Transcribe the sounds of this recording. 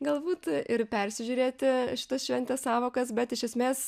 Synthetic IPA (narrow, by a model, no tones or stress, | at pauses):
ɡɐlˠbuːt̪ɪrpʲɛɾʲsʲɪʒʲuːɾʲeːt̪ʲɪʃʲɪ̥t̪ɐsʃʲʋʲɛnʲt̪ʲɛssɑːʋoːkɐsbʲɛt̪ɪʃʲɛsʲmʲeːs